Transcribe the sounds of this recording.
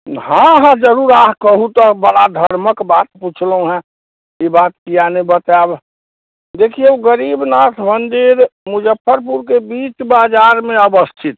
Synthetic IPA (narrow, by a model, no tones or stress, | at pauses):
ɦãɦãd͡ʒəɾuɾaɦkəɦut̪ɔbəɽad̪ʱəɾməkbaːt̪put͡ʃʰləɦũɦɛ̃ | jebaːt̪kianebət̪ab | d̪eːkʰieoɡəɾiːbnat̪ʰmənd̪iɾmʊd͡ʒəpʰːəɾp̬uɾkebiːt͡ʃbaːd͡ʒaːɾmẽəbəst̪ʰɪt̪̚